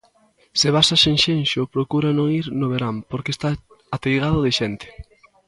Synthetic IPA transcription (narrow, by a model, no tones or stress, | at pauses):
sɪβasaseŋʃenʃʊpɾokuɾanõŋiɾnoβeɾampoɾkest̪a | at̪ejɣaðʊðɪʃɛnt̪ɪ̥